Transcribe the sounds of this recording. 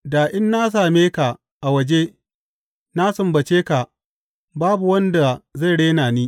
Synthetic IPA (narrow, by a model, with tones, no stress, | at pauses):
daː˨ʔɪ˦nːa˦s̬aː˨meː˦ka˨ | ʔa˨wɐ˨d͡ʒe˦ | na˦sʊ˨mbɐ˨t͡ʃeː˦ka˨ | baː˦bu˨wɐ˦nda˨za˦˨jɽeː˦naː˨niː˦